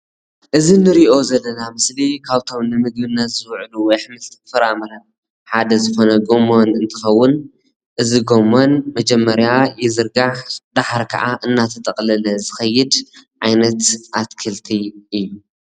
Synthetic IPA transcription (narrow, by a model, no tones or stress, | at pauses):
ʔɨzinɨɾiʔo̞zɐlːɐnamɨslikʰaβt̪ʰo̞mnɨmɨɡ̚bɨnːɐt̪zɨwʕluwɔjħɨmɨlt̪ʰɨ̥fɐɾamɐɾɐ | ħad̪ɐzɨxo̞nɐɡo̞monɨnt̪ʰɨxɐwːʊn | ʔɨziɡo̞monmɐd͡ʒɛmːɐɾjajɛzɨɾɡaħd̪aħɾkʰɐ̰ʔaʔɨnːat̪ʰɐt̪ʼɐqʼlɐlɐzɨxɐjːɪd̪ʕajnɐt̪ʔat̪kʰɨlt̪ʰiɨjːu